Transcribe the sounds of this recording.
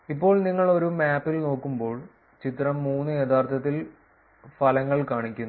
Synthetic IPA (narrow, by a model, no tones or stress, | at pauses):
ipːo̞ːɭniŋːɐɭo̞ɾumaːpːilno̞ːkːumbo̞ːɭ | t͡ɕit̪ɾɐmːuːnːɨjet̪ʰaːrt̪ʰɐt̪̬ːil | fɐlɐŋːɐɭkaːɳikʲːun